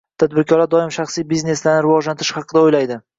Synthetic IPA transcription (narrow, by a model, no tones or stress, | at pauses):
t̪ʰad̪bɪɾkʲʰɒlad̪ɒɪmʃɑχsijbizne̞slaɾnɪɾɪvɒd͡ʒlant̪ɪɾɪʃhɑqɨd̪aojlajd̪ɪ